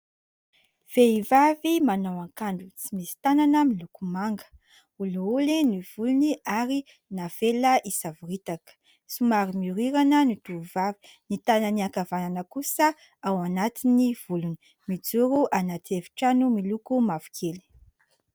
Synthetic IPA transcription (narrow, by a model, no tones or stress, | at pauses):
v̥eivavimanawaŋkaɳɖ͡ʐut͡simisi̥t̪ananəmilukumaŋɡə̥ | uluuliniv̥uluniʔaɾi | nafeləʔisavuɾit̪akə̥ | sumaɾimuɾiɾanənit̪uvavi̥ | nit̪anəniakavananəkusə | awanat̪iniv̥uluni̥ | mid͡zuɾuʔanat̪evi̥ʈ͡ʂanumilukumavu̥kʰeli̥